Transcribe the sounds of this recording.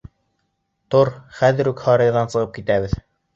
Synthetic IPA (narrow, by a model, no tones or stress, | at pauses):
t̪oɾχæðɘ̆ɾʉkhɑɾɤ̆jðɑnsɤ̆ʁɤp̚kit̪æβɘð